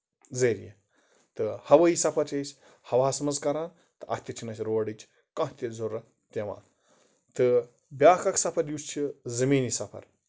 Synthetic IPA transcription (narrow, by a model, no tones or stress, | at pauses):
d͡zəɾjḛ | t̪ɨhɐʋəisɐpʰɐɾt͡ʃesʲ | hɐʋaːsɐmɐzkɐɾaːn | t̪ɨʔɐ̰t̪ʲɐt͡ʃʰinɐsʲɾoːɖit͡ʃ | kãt̪ʲed͡zoɾɐ | t̪ʲeʋã̰ː | t̪ɨ | bʲjaːkɐksɐpʰɐɾjust͡ʃʰizɐmiːnisɐpʰɐ̰ɾ